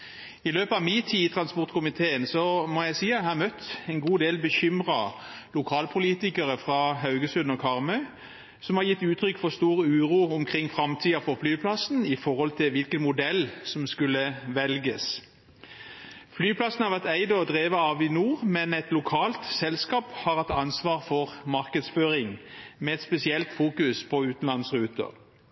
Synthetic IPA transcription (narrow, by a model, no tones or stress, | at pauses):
ɪløːpɑʋmiːt̪ʰiːt̪ʰʁɑnspɔʁt̪kʰʊmɪt̪ʰeːənsɔmɔjæɪsiːɑt̪hɑːmœt̪ːɛnɡuːd̪eːlbəçʏmʁɑ | lʊkʰɑːlpʰʊliːt̪ɪkəʁəfʁɑɦɑʉɡəsʉnɔkʰɑʁmœʏ | sɔmhɑʁjɪt̪ːʉːt̪ʰɾʏkːfɔst̪uːʁəʉːʁuːʊmkʰʁɪŋːfʁɑmt̪ʰiːɑfɔflyːpʰlɑsnɪfɔʁhɔlt̪ʰɪʋɪlkənmʊd̪ɛlsɔmskʉləʋɛlɡəs | flyːpʰlɑsn̩hɑʁʋæʁt̪æɪd̪ɔd̪ʁeːʋəɑʋɪnuːʁmɛnɛt̪lʊkʰɑːlt̪sɛlskɑːphɑɾʁhɑt̪ːɑnsʋɑːʁfɔʁmɑʁkəd̪sføːʁɪŋmɛɛt̪spɛsɪɛlt̪fuːkʉspʰɔʉːt̪n̩lɑnsʁʉːt̪ə̰ʁ